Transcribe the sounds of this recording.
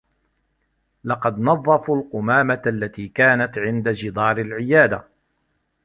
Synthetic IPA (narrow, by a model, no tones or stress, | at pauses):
lɑqɑd̪nɑðˤːɑfulqʊmaːmaalːat̪iːkaːnat̪ʕɪnd̪ad͡ʒɪd̪ˤɑːɾalʕɪjaːd̪a